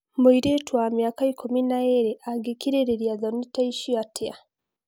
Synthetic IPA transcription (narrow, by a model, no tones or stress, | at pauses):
muiɾetwamjaːkaikʰuminaeɾeʔaɡekiɾeɾeɾjazanitaiʃiatʰea